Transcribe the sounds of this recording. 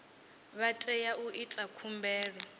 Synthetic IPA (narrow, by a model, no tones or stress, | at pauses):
βatʼɛjaʔuʔitʼakʰumbɛːɺɛ